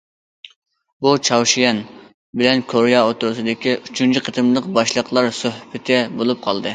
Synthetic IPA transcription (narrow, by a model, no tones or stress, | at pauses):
but͡ʃʰɑwʃijɛn | bɪlɛnkʰoɾjɑot̪uɾusɨd̪ɪkʲiʔyt͡ʃʰynt͡ʃʰiqʰət̪ʰɨmlˠəqbɑʃlˠəqlˠɑɾsøhbɪt̪ʰɛbolˠup̚qʰɑlˠd̪ɨ